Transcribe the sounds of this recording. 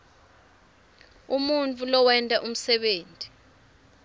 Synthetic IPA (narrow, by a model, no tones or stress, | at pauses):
umunt͡fʰʼulɔwɛntʼaʔum̩sɛɓeːntʼi